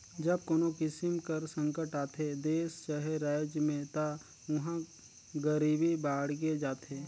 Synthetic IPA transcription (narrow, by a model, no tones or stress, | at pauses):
d͡ʒəb̚koːnokɪsɪmkəɾsə̃ŋkəʈaːt̪ʰed̪eːst͡ʃaɦeɾaːd͡ʒjəmẽt̪a | ʊɦã | ɡəɾiːbibaːɽɡ̬ed͡ʒaːt̪ʰeː